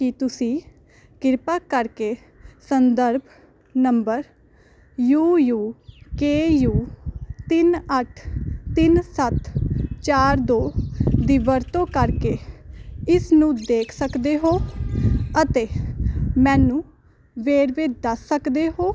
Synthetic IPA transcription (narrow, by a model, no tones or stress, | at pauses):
kɪt̪ʊsĩː | kɪɾpaːkəɾkeː | sənd̪əɾbʱ | nəmbəɾ | juːjuːkeːjuːt̪ɪnəʈʰt̪ɪnsət̪t͡ʃaːɾd̪oːd̪iːʋəɾt̪õːkəɾkeː | ɪsnũːd̪eːkʰsəkd̪eːɦoː | ət̪eːmɛ̃ːnũː | ʋeːɾʋeːd̪əsːəkd̪eːɦoː